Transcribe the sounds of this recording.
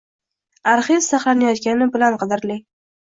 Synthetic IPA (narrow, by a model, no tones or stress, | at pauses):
aɾχɪz̥saχlˠanajɒt̪kʲanɪbɪlanqɨd̪ɪɾlɪ